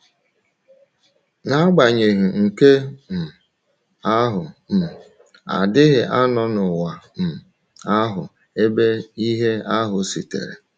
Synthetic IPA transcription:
na˦ɡ͡ba˨ɲe˨ɦi˨ŋ̩˨ke˦m̩˨ | a˦ɦʊ˨m̩˨ | a̰˨dɪ˦ɣɪ˨ʔa˦nɔ˦nʊ˨wa˨m̩˨ | a˦ɦʊ˨ | e˦be˦i˦ɦe˦a˦ɦʊ˨si˨tḛ˨ɾḛ˨

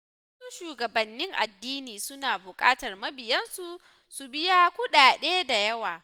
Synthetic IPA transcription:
wɐ˦suː˦ʃuː˨ɡɐ˨bɐ˨nːɪ˦ŋʔa̰˨dːiː˦niː˨sʊ˦naː˨bʊ˨kʼaː˦tɐ˨rmɐ˦bɪ˨jɐ˦nsu˨ | su˨bɪ˦ja˦kʷʊ˦ɗaː˨ɗeː˦da˨jɐ˦waː˨

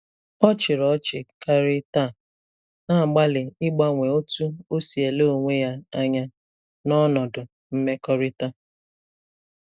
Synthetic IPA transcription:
ɔ˦t͡ʃɪ˨ɾɔ˨˦t͡ʃɪ˨ka˦ɾɪ˦ta˦˨ | na˦˨ɡ͡ba˦lɪ˨ɪ˦ɡ͡ba˦ŋʷe˨o˦tu˦o˦si˨e˨lo˦˨o˨ŋʷe˦ja˦a˦ɲa˦ | nɔ˦nɔ˨dʊ˨ | m̩˦me˦kɔ˦ɾɪ˦ta˦

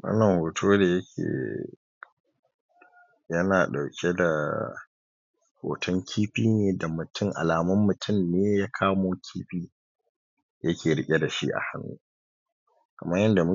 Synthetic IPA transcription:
wɐ̰˦nːɐ˨ŋhoː˨tʰoː˦da˨jɐ˦kʲʰḛː˨ | jɐ˦naː˨ɗa˨wkʲʰe˦da˨ | ho̰ː˨tʰɔ˦ŋkʲʰiː˦ɸiː˦neː˨da˨mʊ˨tʰʊ˦˨ŋʔa̰˨laː˨mɐ˦mːʊ˨tʰʊ˦mneː˦jaː˦kʰaː˦moː˦kʲʰiː˦ɸiː˦ | jɐ˦kʲeː˨ɽɪ˦kʲʼe˦da˨ʃḭ˦ʔa̰˨ha˦nːṵː˦ | kɐ̰˨mɐ˦jɐ˦nda˨mʊ˦

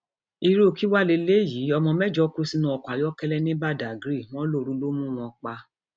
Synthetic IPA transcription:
i˧ɾo˦˨ki˦wa˦˨le˧le˦jiː˨˦ɔ˧mɔ̃˧mɛ˦d͡ʒɔ˧˦ku˦si˦nũ˧ɔ˧˨kʷa˨jɔ˦kɛ˦lɛ˦nĩ˦ba˦˨da˨ɡɾi˦˨w̃ɔ̃˦lo˦˨ɾũ˦lo˦mũ˦w̃ɔ̃˧k͡pa˧

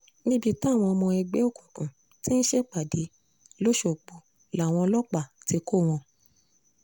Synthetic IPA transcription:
nĩ˦bi˧ta˦˨w̃ɔ̃˧ɔ˧mɔ̃˧ɛ˧ɡ͡be˨˦o˦˨kũ˨kũ˨ | ti˦n̩˦ʃe˦k͡pa˨di˨˦ | lo˦ʃo˨k͡po˨˦ | la˨w̃ɔ̃˧lɔ˦k͡pa˦˨ti˧ko˦˨w̃ɔ̃˧

